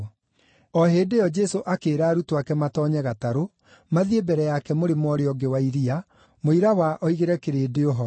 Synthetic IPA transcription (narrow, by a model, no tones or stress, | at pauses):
ɔɦeːdejɔd͡ʒɛsoʔakeːɾaːɾutowakɛmatɔɲɛɣataɾo | maðiebɛɾɛjakɛmoɾemwɔɾeɔɡewaiɾia | moiɾawaʔɔiɣeɾɛkeɾeːdeoɦɔ